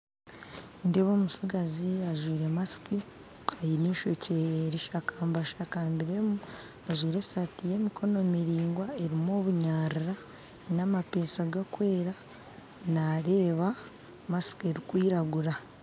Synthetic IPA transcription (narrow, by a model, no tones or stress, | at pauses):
ndeβo̞musiɡaziaʒwiːɾe̞masi̥ki | ajiniːʃo̞ceɾiʃakaːmbaʃakaːmbiɾe̞mu | aʒwiːɾe̞satije̞ːmikʰo̞no̞miɾiːŋɡwae̞ɾimoːβuɲaːɾiɾa | namape̞ːsaɡakwe̞ːɾa | naːɾe̞ːβa | masi̥kie̞ɾikwiːɾaɡuɾa